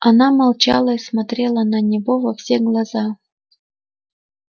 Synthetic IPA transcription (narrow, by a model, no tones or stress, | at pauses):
ɐnamalˠt͡ɕa̰lˠəismɐt̪ɾʲelˠənɐnʲɪvovɐfsʲeɡlˠazɑ